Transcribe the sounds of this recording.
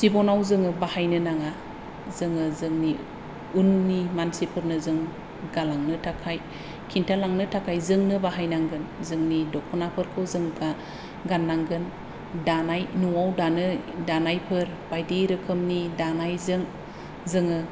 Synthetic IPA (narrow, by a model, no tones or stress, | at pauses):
sibɔnawzɯŋɯbahajnɯnaŋa | zɯŋɯzɯŋni | unːimansipʰɯɾnɯzɯŋ | ɡalaŋnɯtʰakʰaj | kʰintʰalaŋnɯtʰakʰajzɯŋnɯbaɦajnaŋɡɯnzɯŋnidɔkʰɔnapʰɯɾkʰɯwzɯŋɡa | ɡanːaŋɡɯn | danajnuwawdanɯdanajpʰɯɾ | b̥ajdejɾɯkʰɯmnidanajzɯŋ | zɯŋɯ